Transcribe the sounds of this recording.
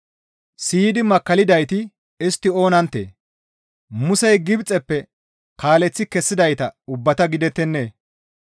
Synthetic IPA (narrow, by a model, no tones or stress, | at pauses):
siːd̪ɪmɐkːɐlɪd̪ɐjt̪ɪ | ɪst̪ːɪo̞ːnɐnt̪ːḛː | mʊsɛjɡɪbt͡sʼɛpːɛ | kaːlɛt͡sːɪkɛsːɪd̪ɐjt̪ɐʊbːɐt̪ɐɡɪd̪ɛt̪ːɛnːeː